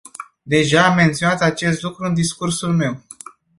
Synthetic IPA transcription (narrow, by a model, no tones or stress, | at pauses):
d̪e̞ʒaːmːe̞nt̪sio̞nat̪at͡ʃe̞st̪lukɾuɨnd̪iskursulme̞w